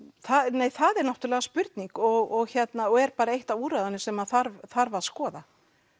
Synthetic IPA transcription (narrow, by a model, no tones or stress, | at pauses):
θanejθaðɛɾnaht̪ʏlɛːɣaspʏɾt̪niŋkɔɣɔɣçɛt̪naɔɣɛɾpaːɾaejht̪avuːɾaðanːɪsɛmaθaɾvθaɾvaðskɔːða